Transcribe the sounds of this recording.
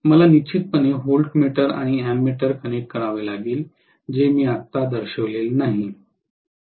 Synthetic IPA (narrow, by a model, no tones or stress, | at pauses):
məlanit͡ɕʰit̪̚pəneɦolʈmeʈəɾa̰ɽ̃iæmːeʈəɾkəneʈ̚kəɭaʋelaɡiːl | d͡ʑemiːat̪ːad̪əɾɕəʋlelnaɦi